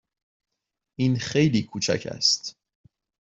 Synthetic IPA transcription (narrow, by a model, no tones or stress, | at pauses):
ʔiːnxe̞jliːkʰuːt͡ʃʰæ̰cʰæ̰st̪